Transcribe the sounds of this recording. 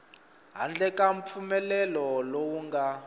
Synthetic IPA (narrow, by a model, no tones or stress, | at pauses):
ɦa̰nd͡ɮɛkʼaɱp̪fʰumɛlɛlɔlɔwuŋɡa